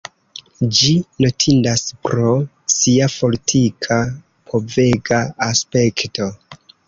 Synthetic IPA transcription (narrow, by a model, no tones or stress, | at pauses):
d͡ʒinotʰindaspɾo̞ | siafo̞litʰikʰa | pʰo̞ve̞ɡaːspe̞kto̞